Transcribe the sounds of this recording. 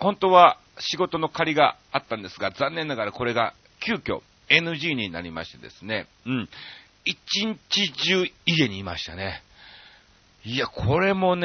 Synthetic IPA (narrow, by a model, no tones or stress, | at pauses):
hõ̞nt̪o̞βa | ɕiɡo̞t̪o̞no̞kaɾʲiɡaat̪ːãnd̪esɨɡazãnːẽ̞nːaɡaɾako̞ɾe̞ɡa | kʲɨːkʲo̞̰ | e̞nɯʑiːɲ̟ina̰ɾʲima̰ɕi̥t̪e̞d̪e̞sɨne̞ɯ̟̃ɴ | it͡ɕiɲ̟t͡ɕid͡ʑɨːiɡe̞ɲ̟iːma̰ɕi̥t̪ane̞ | iakʰo̞ɾe̞mo̞n